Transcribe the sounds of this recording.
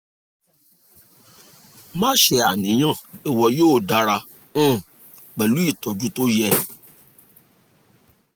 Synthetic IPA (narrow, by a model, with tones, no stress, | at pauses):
mã˦ʃɛ˧˨a˨nĩ˨˦j̃ã˦˨e˨wɔ˧joː˦˨da˨˦ɾã˧˦˨ | k͡pɛ˨lu˨˦i˦˨tɔ˨d͡ʒu˦to˦jɛ˦˨